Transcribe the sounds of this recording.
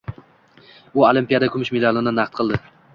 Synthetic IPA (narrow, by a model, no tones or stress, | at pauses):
ʊolˠimpijad̪akʲʰʊmɪʃmɪlɒlˠɪnɪnaχt̪̚qʰɨlˠd̪ɪ